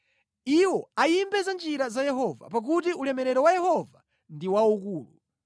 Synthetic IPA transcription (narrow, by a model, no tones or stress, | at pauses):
iwɔaimbɛzand͡ʒiɾazajɛɦɔva̰pak̬ut̬iulɛmɛɾɛɾɔwajɛhɔva | ndiwaukuːlṵ